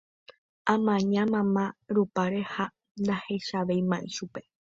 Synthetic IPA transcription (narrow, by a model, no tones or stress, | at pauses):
ãmãɲãmãmãɾupaɾe̞ha | nd̪ahe̞ʃaʋejmãʔiʃupe̞